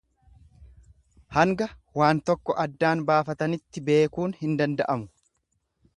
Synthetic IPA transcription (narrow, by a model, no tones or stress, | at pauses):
hɐŋɡɐwaːnt̪ɔkːɔʔɐd̪ːaːnbaːfɐt̪ɐnɪt̪ːɪbe̞ːkuːnhɪnd̪ɐnd̪ɐ̰ʔɐmʊ̥